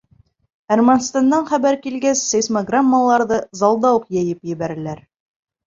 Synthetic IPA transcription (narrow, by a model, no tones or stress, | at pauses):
ærmanst̪and̪ɑɴχæbæɾkilɡæsːejsmaɡramːalˠɑɾðɤzɑlˠd̪ɑwuqjæjɘpjɘ̆βæɾɘ̆læɾ